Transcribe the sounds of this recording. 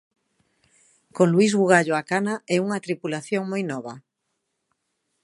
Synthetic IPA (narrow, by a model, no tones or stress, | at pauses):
kõŋluizɣuɣaʎoakanaɛuŋɐt̪ɾipulaθjoŋmojnɔβɐ